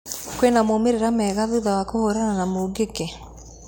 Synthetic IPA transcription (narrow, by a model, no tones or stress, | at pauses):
kwenamomeɾeɾamɛɣaðuðawakohoɾananamoɡekɛ